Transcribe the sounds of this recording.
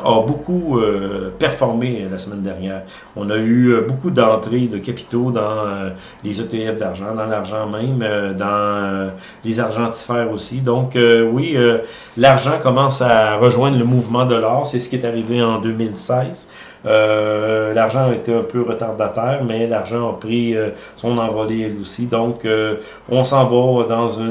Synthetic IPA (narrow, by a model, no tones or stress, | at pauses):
ɐbokʰuøpɛʁfɔʁmelasəmɛ̃nd̪ɛʁnjɛːʁ | ɔ̃nayøbokud̪ɑ̃t̪ʁed̪əkʲapi̥t̪od̪ɑ̃ø | lezɔt̪eɛfd̪aʁʒɑ̃d̪ɑ̃laʁʒɑ̃mɛ̃mød̪ɑ̃ø | lezaʁʒɑ̃t̪i̥fɛːʁosid̪ɔ̃køwiø | laʁʒɑ̃kɔmɑ̃saʁəʒwɛ̃d̪ʁləmuvmɑ̃d̪əlɑːʁsɛsə̥kʲɛt̪aʁiveɑ̃d̪ømɪlsɛɪz | ø | laʁʒɑ̃aet̪eœ̃ːpøʁət̪aʁd̪at̪ɛːʁmɛlaʁʒɑ̃əpʁiø | sɔ̃nɑ̃vɔleɛlosid̪ɔ̃kø | ɔ̃sɑ̃vɔd̪ɑ̃zy